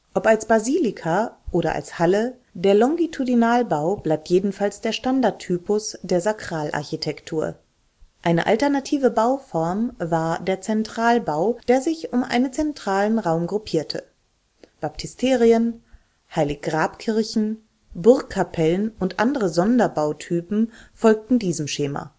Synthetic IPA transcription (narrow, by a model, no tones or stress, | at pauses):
ʔɔpalsb̥aziːlɪkʰaʔoːɾɐ̰ʔa̰lshalə | deːɐlɔŋɡitʰudinaːlbaʊb̥laɪp̚tʰjeːdn̩falsd̥eːɐʃtandaɐtʰːyːpʊsd̥eːɐzakʁ̥aːlʔa̰ɐçitʰɛktʰuːɐ | ʔaɪnəʔa̰ltɛɐnatʰiːvəbaʊfɔɐmvaːɐdeːɐt͡sɛntʁ̥aːlbaʊd̥eːɐzɪçʊmʔa̰ɪnənt͡sɛntʁ̥aːlənʁaʊmɡʁupʰiːɐtʰə̰ | b̥ap̚tʰɪstʰeːʁiən | haɪlɪçɡ̥ʁaːpkʰɪɐçn̩ | bʊɐkʰːapʰɛlənʔʊntʔa̰ndəʁəzɔndɐbaʊtʰyːpm̩fɔlk̚tn̩diːzəmʃeːma̰